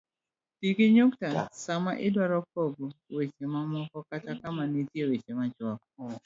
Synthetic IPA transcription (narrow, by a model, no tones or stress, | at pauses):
tiɡiɲuktasama̰ʔɪdwaɾɔk̚oɡowet͡ʃemamɔkɔkatakamanitjewet͡ʃemat͡ʃɔk